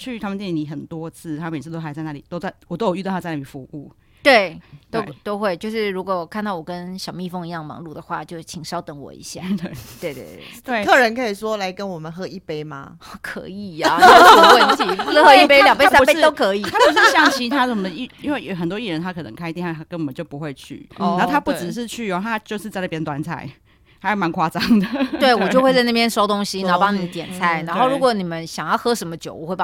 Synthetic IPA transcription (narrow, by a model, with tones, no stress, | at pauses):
t͡ɕʰy˥˩t̪ʰa˥mə˨nt̪jɛ˥˩˨ni˨˩xə˨˩nt̪wɔ˦˥t͡sʰɹ̩˥˩t̪ʰa˥˩jnt͡s̩ʰ˥˧t̪o˥a˧˥˨t͡sa˥˩ɪna˨˩i˨˩t̪o˥ʊt͡sa˥˩ɪwɔ˨˩o˥ʊjy˥˧˥ɪna˨˩i˨˩fu˧˥˦ʔu˥˩ | t̪we˥˩ɪt̪o˥ʊt̪o˥ʊxwe˥˩ɪt͡ɕjo˥˧ʊʂɻ̩˥˩ɻu˧˥kwɔ˨˩˨kʰa˥˧nt̪ɑ˥˩ʊwɔ˨˩kə˦˥nʂjɑ˧˨˩mi˥˧fŋi˧jɑ˥˩ŋmɑ̰˧˦ŋlu˥˩d̪ə˩xwa̰˥˧t͡ɕjo˥˧˥t͡ɕʰi˨˩ŋʂɑ˥ʊt̪ə˧˩ŋwɔ̰˨˩ḭ˧˥˦ɕja̰˥˩t̪we˥˩t̪we˥˧ɪt̪ḛ˥˩t̪we˥˩ɤ˥˩ɻə˧˦nkʰɤ˧˥i˨˩swɔ˦˥la˧˦ɪkə˦nwɔ˨˩mə˨˦nxɤ˧˥i˥˩pe˥ɪma̰˧ | kʰɤ̰˧˥i˨˩a˩˥˧ə˧˥˧xə˧˦nt͡ɕʰi˨u˧ʂ̩˥˧xɤ˧˦˥i˥˩pe˥ljɑ˨˩ŋpe˥˧˥sa˥˧pe˥t̪o˥ʊkʰɤ˧˥i˨t̪ʰa˥u˧˥ʂ̬̩˥˩ɕjɑ˥˧ŋt͡ɕʰi˥t̪ʰa˥˨˩sə˨məd̪ə˦i˥˨˩i˥nwe˥˩ɪxə˨˩nt̪wɔ˦i˥˩ɻə˧˦nt̪ʰa˥kʰɤ˨˩nə̰˧˦ŋkʰa˥ɪt̪i˥˧ŋa˥˩a˥kə˦nwɔ˨˩mə˦t͡ɕjo˥˩ʊpu˨˦xwe˥˧ɪt͡ɕʰy̰˥˩˨o˥˩˨a˥pu˥˩t͡sɻ̩˨˩ʂ̬ɻ̩˥˧t͡ɕʰy˥˨jo˨˩t̪ʰa˥t͡ɕjo˥˧ʊʂɻ̩˥t͡sa˥ɪnə˥˩pjɛ˥nt̪wa˧˦nt͡sʰa̰˨˩˦ɪ | t̪ʰa˥jo˥˩ma˧˦nkʰwa˥˩t͡sɑ˦˩ŋd̪ə˨we˥˩ɪwɔ˨˩jwe˥˧t͡sa˧ɪna˥˩p̬ʰjɛ˥nʂo˥ʊt̪o˥ŋɕi˧˥na˨˦˥pɑ˥ŋni˨˦t̪jɛ˨˩nt͡sʰa˥˩ɪna˧˦nxo˥˩ʊɻu˧˥kwɔ˧˦ni˨˩mə˦nɕjɑ˨ŋjɑ˥˩ʊxɤ˥ʂə˧˥mə˧t͡ɕjo˨˩˦wɔ˨˩xwe˥˩ɪ˥